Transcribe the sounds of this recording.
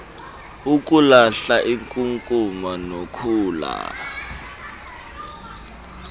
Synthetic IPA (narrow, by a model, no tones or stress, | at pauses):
uk̬ʼulaɬaʔiŋkʼuŋkʼumanokʰuːla̰